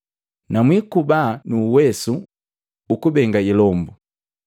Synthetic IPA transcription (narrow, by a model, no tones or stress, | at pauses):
namwikubanuːwɛsuː | kubɛŋɡailɔmbu